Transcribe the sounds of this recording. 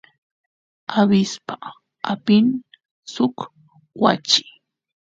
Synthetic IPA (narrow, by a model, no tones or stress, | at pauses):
abɪspa | apɪn | sʊk | wa̰t͡ʃɪ̥